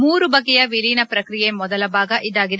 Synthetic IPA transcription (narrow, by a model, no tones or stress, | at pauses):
muːɾubɐɡːɛjɐʋiliːnɐpɾɐkɾijemɔd̪ɐlɐbʱaːɡɐʔid̪aːɡid̪